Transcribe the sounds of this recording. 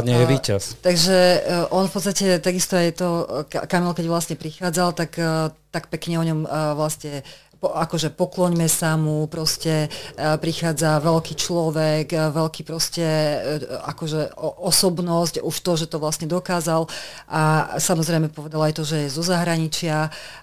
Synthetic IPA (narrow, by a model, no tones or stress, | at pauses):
ɲɛɛʋiːcast̪aɡʒɛʔɔnfpɔt̪st̪acɛt̪aɡist̪ɔajt̪ɔkkamilkɛɟʋlasɲɛpɾixaːd͡zalt̪akt̪akpɛkɲɛɔɲɔmʋlasɲɛ | pɔakɔʒɛpɔklɔɲmɛsamupɾɔscɛpɾixaːd͡zaʋɛlkiːt͡ʃlɔʋɛkʋɛlkiːpɾɔscɛ | akɔʒɛʔɔsɔbnɔscuʃt̪ɔʒɛt̪ɔʋlasɲɛd̪ɔkaːzalʔasamɔzɾɛjmɛpɔʋɛd̪alajt̪ɔʒɛjɛzɔzaɦɾaɲit͡ʃɪa